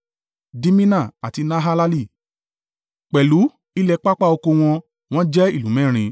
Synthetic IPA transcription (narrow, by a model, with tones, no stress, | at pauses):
di˧mĩ˦nã˦˨a˨ti˧nã˦ɦa˦la˦li˦˨ | k͡pɛ˨lu˨˦ | i˦lɛ˧k͡pa˦k͡pa˦˨o˧ko˧w̃ɔ̃˧ | w̃ɔ̃˦d͡ʒɛ˦i˦˨lũ˨˦mɛ̃˦˨ɾ̃ĩ˧